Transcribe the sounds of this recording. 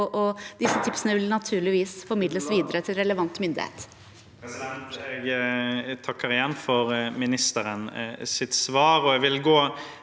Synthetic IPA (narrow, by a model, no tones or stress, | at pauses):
ʔɔd̪ɪsːət̪ʰɪpsənəʋɪlnɑt̪ʰʉːɭɪʋiːsfɔɾmɪd̪ləsʋiːd̪əɾət̪ʰɪlɾɛləʋɑnt̪mʏnd̪ɪ̰hḛːt̪ | ɛɡ | t̪ʰɑkːəɾɪjɛnːfɔɾmɪnɪst̪əɾənsɪt̪sʋɑːɾɔɛɡʋɪlɡoː